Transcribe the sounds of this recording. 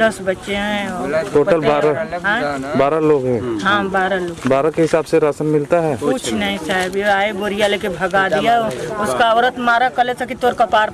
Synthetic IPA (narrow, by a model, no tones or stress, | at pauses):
d̪ɐsbɐtːʃeɦɛ̃ɔːɾʈoːʈəlbaːɾaɦãːbaːɾaloːɡɦɛ̃ːɦãbaːɾaloːɡbaːɾakeɦɪsaːbseɾasənmɪlt̪aɦɛːkʊt͡ʃʰnɐɦĩsaːbaːeboɾijalekebʱɐɡad̪ijaʊskaʋɾət̪maːɾakɐlet̪ʰakit̪oːɾkapaːɾ